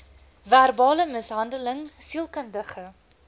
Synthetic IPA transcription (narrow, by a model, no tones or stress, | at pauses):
væːrbɑːləməsɦɐndələŋsilˠkəndəχə